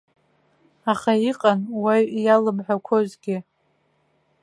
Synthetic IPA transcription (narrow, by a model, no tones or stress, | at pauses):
aχaiqʼanwajjalɨmħʷᶣakʷʰozɡʲɪ